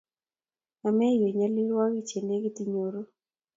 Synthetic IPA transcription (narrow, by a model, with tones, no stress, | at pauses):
a˨mɛ˦jo˨ɲa˨lɪ˦ɾwɔ˦ki˦t͡ʃe˨ne˦ɡi˦ti˨ɲo˨ɾo˦